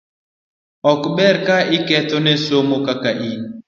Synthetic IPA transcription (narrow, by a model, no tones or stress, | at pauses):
ɔkɓɛɾkaikɛt̪onesomokakaʔin